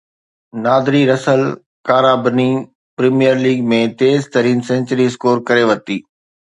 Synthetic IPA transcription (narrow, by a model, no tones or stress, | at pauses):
naːd̪ɾiɾɐsəl | kaːɾaːbni | pɾimijəɾliːɡmẽt̪eːzt̪ɐɾiːnsɛ̃nt͡ʃəɾiskoːɾkɐɾeʋɐt̪iː